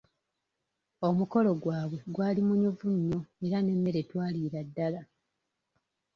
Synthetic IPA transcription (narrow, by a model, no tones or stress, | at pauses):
o̞muko̞lo̞ɡwaːβwe̞ɡwaːlimuɲuvuɲːo̞eɾane̞mːe̞ɾetwaːliːɾadːala